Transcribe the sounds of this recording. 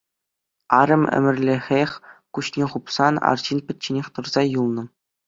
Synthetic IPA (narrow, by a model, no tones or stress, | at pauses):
ɑɾʲɤ̆mʲɘ̰mʲɘ̆rʲlʲĕxʲexʲkuɕnʲeχupsɑnɑ̰rʑinpʲɘ̆t̚ʲt͡ɕːenʲexʲt̪ɤ̆rzɑjulˠnɤ̆